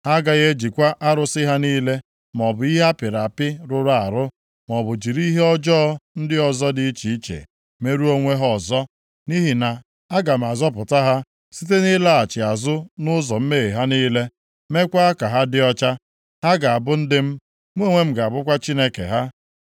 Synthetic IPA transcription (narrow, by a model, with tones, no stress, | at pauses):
a˦ɡa˨ɣe˦d͡ʒi˨kʷa˦ʔa˦ɾʊ˦sɪ˦ɦa˦niː˦le˦ | m˨ɔ˨bʊ˨i˦ɦa˦pɪ˨ɾa˨pɪ˦ɾʊ˦ɾa˨a˨ɾʊ˦ | mɔ˨bʊ˨d͡ʒi˨ɾi˦ɦe˦ɔ˦d͡ʒɔ˦n̩˦dɪ˦ɔ˨zɔ˦di˦t͡ʃi˨˦t͡ʃḛ˨ | me˨ɾu˦o˦ŋʷe˦ɦɔ˦˨zɔ˦ | ni˦ɦi˨na˨ | a˦ɡa˨m̩˨a˨zɔ˦p̬ʊ˨ta˦ɦa˦ | si˦t̬e˦ni˦la˦a˨t͡ʃɪ˨a˨zʊ˦nʊ˦zɔ˨m̩˦meː˦˨i˨ɦa˦niː˦le˦ | me˦kʷa˦a˦ka˨ɦa˦dɪ˦ɔ˦t͡ʃa˦ | ha˦ɡa˨a˨bʊ˦n̩˦dɪ˦m̩˦ | mʷ˦o˦˨ŋʷe˦m̩˦ɡa˨a˨bʊ˦kʷa˦t͡ʃi˦ne˦kḛ˨ɦa˦